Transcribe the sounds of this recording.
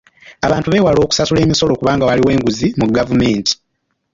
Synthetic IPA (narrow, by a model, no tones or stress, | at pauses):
aβaːntuβe̞ːwalo̞ːku̥sasule̞ːmiso̞lo̞kuβaːŋɡawaliwe̞ːŋɡuzimuɡavume̞ːnti̥